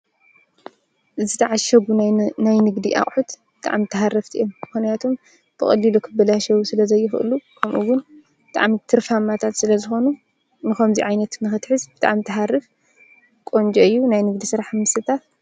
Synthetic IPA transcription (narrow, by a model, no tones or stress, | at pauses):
ʔɨzɨt̪ʰaʕaʃɐɡunajnɨɡd̪iʔa̰χʼħut̪b̥ɨt̪ʼa̰ʕmit̪ʰɐɦarɐft̪ʰḭʔomːɨxnijat̪ʰom | b̥ɨxʼɐlːilukʰɨbɐlaʃɐwusɨlɐzɐjːɪxʔɨ̰lukʰɐmʔuwʊn | bɨt̪ʼa̰ʕmit̪ʰɨɾfamat̪ʰat̪sɨlɐzɨxo̞nu | nɨxɐmziʕajnɐt̪nɨxɨt̪ħɨzb̥ɨt̪ʼa̰ʕmt̪ʰɐɦarɨf | kʼo̞nd͡ʒʼoɨjːunajnɨɡd̪isɨɾaħmɨsɨt̪ʰat̪